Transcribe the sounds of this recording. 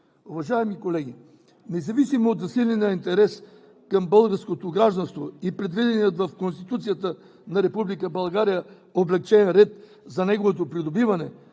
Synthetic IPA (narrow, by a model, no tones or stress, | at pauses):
uvɐʒaɛmikolɛɡʲi | nɛzɐvisimoːt̪zɐsilʲɛnɛɐint̪ɛɾɛs | kɐmbəlˠɡəɾskot̪oɡɾaʒd̪ɐnst̪voipɾɛd̪vid̪ɛniət̪vɐfkonst̪it̪ut̪sijət̪ə | nɐɾɛpublikəbɐlˠɡaɾijə | oblɛk̚t͡ʃɛnɾɛt̪ | zɐnɛɡovot̪̬opɾid̪obivɐnɛ